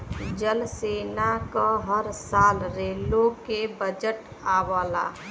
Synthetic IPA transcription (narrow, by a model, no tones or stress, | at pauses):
d͡ʒəlsenakəɦəɾsalɾelokebəd͡ʒəʈ | aʋəla̰